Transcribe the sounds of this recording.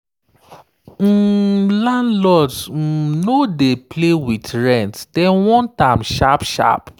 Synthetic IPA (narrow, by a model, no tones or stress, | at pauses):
m̩lãndlɔtm̩nodeplewitɹɛ̃ntd̥ɛnwɔ̃ntãmʃapʃa̰p